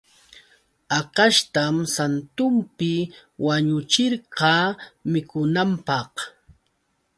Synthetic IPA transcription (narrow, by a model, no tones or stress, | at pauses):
ɑqɑʃt̪amsant̪ʊmpɪwaɲʊt͡ʃɪɾɢɑmɪkʊnampɑχ